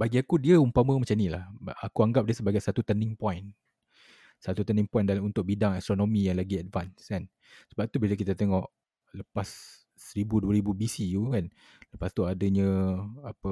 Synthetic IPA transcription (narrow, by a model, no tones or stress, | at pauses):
baɡiakudiəumpaməmat͡ʃanilahakuaŋɡap̚diəsəbaɡajsat̪ut̪ənɪŋpɔjn | sat̪ut̪əniŋpɔjndalunt̪ʊk̚bidaŋast̪ɾonõmijaŋlaɡiadvanskan | səbap̚t̪ubilək̬it̪at̪eŋɔʔ | ləpasː | əɾibuduəɾibubisijukan | ləpast̪uadəɲə̃apə